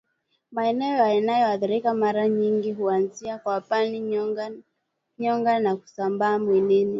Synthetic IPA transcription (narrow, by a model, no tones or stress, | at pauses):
maɛnɛɔjaɛnajɔaðiɾikamaɾaɲiŋɡiɦuanziakwapani | ɲɔŋɡanaku̥sambaːmwinini